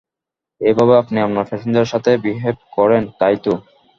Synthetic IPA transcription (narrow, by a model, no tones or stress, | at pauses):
ebʱabeapniamnaɾfeʃind̪eɾʃat̪ʰebiɦeb̚kɔɾent̪ajt̪o